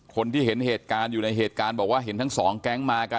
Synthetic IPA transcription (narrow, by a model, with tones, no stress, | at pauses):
kʰo˧nt̪ʰiː˥˩ɦe˩˦nheː˨˩t̪̚kaː˧njuː˨˩na˧jɦeː˨˩t̪̚kaː˧nbɔː˨˩k̚waː˥˩ɦe˩˦nt̪ʰa˦˥ŋsɔː˩˦ŋkɛː˦˥˩ŋmaː˧ka˧